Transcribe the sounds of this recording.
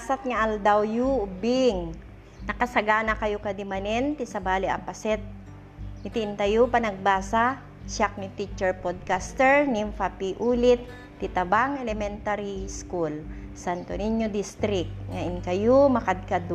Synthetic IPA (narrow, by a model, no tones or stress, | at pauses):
asat̪̚ŋɐʔɐld̪awjubɪŋ | nɐkɐsɐɡaːnɐkɐjokɐd̪ɪmanɛnt̪ɪsɐbaːlɪʔɐ̰mpɐsɛt̪̚ | nɪt̪ɪʔɪnt̪ɐjopɐnɐɡ̚baːsa | ʃak̚nit̪it͡ʃɛɹpod̪̚kast̪ɛɹnimfapiʔuːlɪt̪̚ː | ɪt̪ɐbaŋɛlɛmɛnt̪aɾiskulsant̪oniɲjod̪ist̪ɾɪk̚t̪ŋaʔɪnkɐjomɐkɐd̪̚kad̪